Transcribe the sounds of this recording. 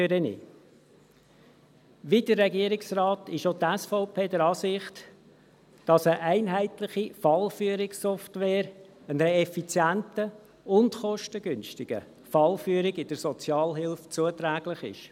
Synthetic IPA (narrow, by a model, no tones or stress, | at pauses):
ɾənḭ | ʋidəɾːɛɡiəɾɪksrɑːtɪʃotæsfɔʊpʰeːdəɾɑːsɪχt | d̥ɑsəʔæɪnɦæɪtlɪχifɑlfyəɾɪksɔftʋɛːɾ | ənɾeɛfit͡sjæntə | ʊntχɔʃtəɡʏnʃtɪɡ̥ə̰ | fɑlfyːəɾɪɡɪd̥əɾsɔt͡sjɑːlɦɪlft͡suətɾæːɡ̥lɪχɪ̰ʃ